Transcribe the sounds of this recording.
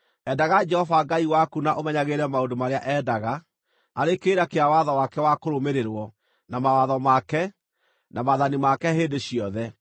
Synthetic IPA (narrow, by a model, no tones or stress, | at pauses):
ɛdaɣad͡ʒɛhɔvaɡaiwakunaʔomɛɲaɣeːɾɛmaodomaɾeaʔɛdaɣa | aɾekeːɾakeawaðɔwakɛwakoɾomeɾeɾwɔ | namawaðɔmakɛ | namaðanimakɛɦeːndeɕiɔðɛ